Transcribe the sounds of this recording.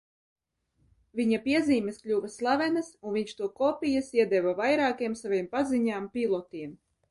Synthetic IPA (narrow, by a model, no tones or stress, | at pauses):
vʲiɲapʲiɛziːmʲɛsklʲuːvɛslˠavɛnasunviɲʲt͡ʃt̪uɔkɔpʲijasiɛd̪ɛvavajɾaːkiɛmsaviɛmpaziɲaːmpʲilˠɔt̪iɛm